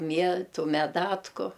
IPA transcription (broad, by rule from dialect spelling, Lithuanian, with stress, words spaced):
ˈmʲiɛtʊ mʲɛˈdɑːtkʊ